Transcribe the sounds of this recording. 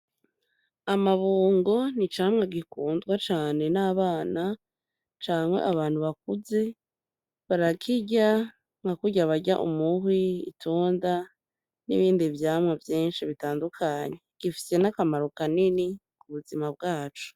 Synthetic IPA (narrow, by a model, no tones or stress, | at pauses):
amaβuːŋɡo̞nit͡ʃaːmŋaɡikuːndɡwat͡ʃaːne̞naːβaːna | t͡ʃaːmwe̞̰ʔaβaːn̥huβak̚uze̞ | βaɾakʰiɟa | ŋhakuɟaβaɟa̰ʔṵmuɦwiḭtʰoːnda | nḭβiːndivjaːmŋavjiːnʃiβitaːndukʰaɲe̞ɡ̥ifi̥se̞nakamaɾokanini | kuβuzimabɡaːt͡ʃu̥